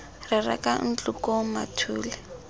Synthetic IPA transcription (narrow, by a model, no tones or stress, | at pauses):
rɪra̰kan̩t͡ɬʼukɔmatʰuːlɛ